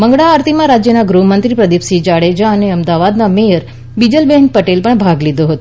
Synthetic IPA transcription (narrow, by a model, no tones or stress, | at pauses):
məŋɡɽaːɾt̪ʰimãɾad͡ʒjənaɡɾumənt̪ɾipɾəd̪ipsid͡ʒaɽed͡ʒaəneəmd̪aʋad̪namejəɾ | bid͡ʒəlbɛɦnpəʈelpəɳbʱaɡlid̪oɦət̪o